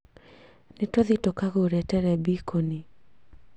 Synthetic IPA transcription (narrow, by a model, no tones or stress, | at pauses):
nɪtɔðitokaɡoɾɛtɛɾɛbikʰoni